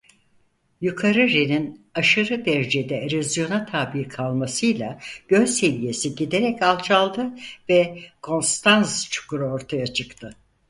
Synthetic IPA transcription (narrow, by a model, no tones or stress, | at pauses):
jukʰaɾɯɾeninaʃɯɾɯd̪ɛɾd͡ʒed̪ɛɾyzjo̞nat̪ʰaːbikʰalˠmasɯjlˠaɟ̥ø̞lʲse̞vije̞siɟid̪e̞ɾɛcalˠt͡ʃʰalˠd̪ɯvɛkʰo̞nst̪ʰanst͡ʃʰu̥kʰuɾuo̞ɾt̪ʰajat͡ʃʰɯkt̪ʰɯ